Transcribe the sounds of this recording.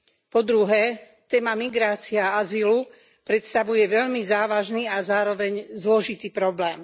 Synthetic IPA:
pɔd̪ɾuɦɛ | t̪ɛːmamiɡɾaːt͡siɛaazilu | pɾɛt̪st̪aʋujɛʋɛʎmizaːʋaʒniːazaːɾɔʋɛɲzlɔʒit̪iːpɾɔblɛːm

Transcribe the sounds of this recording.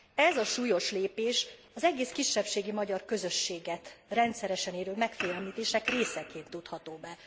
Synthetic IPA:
ɛzɒʃuːjo̞ʃleːpeːʃɒzɛɡeːskiʃːɛpʃeːɡimɒɟɒrkø̞zø̞ʃːeːɡɛt̪rɛnt̪sɛɾɛʃɛneːɾøːlmɛkfiːɛmiːt̪eːʃɛkreːsɛkeːnt̪ːut̪hɒt̪oːbɛ

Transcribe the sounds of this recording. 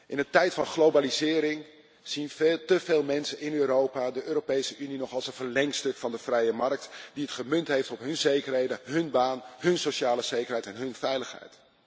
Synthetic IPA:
ʔɪnətɛjtfɑnχlowbalizɪːɾɪŋ | z̥intəveːlˠmɛnsənɪnøːɾowpaːdəʔøːɾopejsəʔyninɔχɑlˠsənvərlɛŋstɵkfɑndəv̥rɛjəmɑɹk̚tdiətχəmɵntɦejftɔpɦɵnzejkərɦejdəɦɵnbaːnɦɵnsowʃaːləz̥ejkərɦɛjtɛnɦɵnvɛjləχɦɛ̰jt

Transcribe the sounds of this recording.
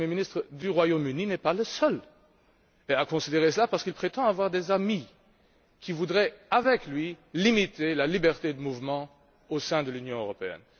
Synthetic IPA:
mjeminist̪χəd̪yʁwajomyninɛpaləsœl | eakɔ̃sid̪eʁesəlapaʁsə̥kilpχet̪ɑ̃avwaʁd̪ezami | kʲʰivud̪ʁɛavɛklɥilimit̪elalibɛʁt̪ed̪əmuvmɑ̃ | osɛ̃d̪əlynjɔ̃øʁɔpeɛ̰n

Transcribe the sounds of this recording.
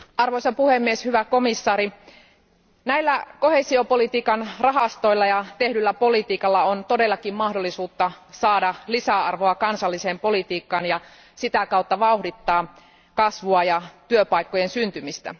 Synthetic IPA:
ʔɑrʋoisɑpuhemːieshyʋækomisːɑːɾi | næilːækohesiopolit̪iːkɑnrɑɦɑst̪o̞ilːɑjɑt̪ehdylːæpolit̪iːkɑlːɑont̪odelːɑkimmɑhdolːˑisuːt̪ːɑsɑːdɑlisæɑrʋoɑkɑnsɑlːiseːmpolit̪iːkːɑːnjɑ | sit̪ækɑut̪ːɑʋɑuhdit̪ːɑː | kɑsʋuɑjɑt̪yøpɑikːojensynt̪ymist̪æ̰

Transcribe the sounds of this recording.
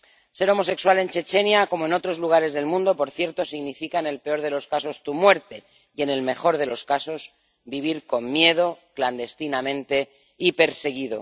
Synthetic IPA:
se̞ɾo̞mo̞se̞kswale̞nt͡ʃe̞t͡ʃe̞njako̞moeno̞t̪ɾo̞zluɣ̞aɾe̞zðe̞lmũnd̪o̞po̞ɾθje̞ɾt̪o̞siɣnifikaene̞lpe̞o̞ɾð̞e̞lo̞skaso̞st̪umwe̞ɾt̪e̞ | je̞ne̞lme̞xo̞ɾðe̞lo̞skaso̞z | biβ̞iɾko̞mmje̞ð̞o̞kland̪e̞st̪inamẽ̞nt̪e̞ | ipe̞ɾse̞ɣ̞iðo̞̰

